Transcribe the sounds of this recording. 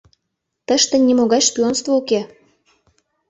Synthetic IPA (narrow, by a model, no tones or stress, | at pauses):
t̪əʃt̪enʲimoɣɑʃpʲyonst̪vouke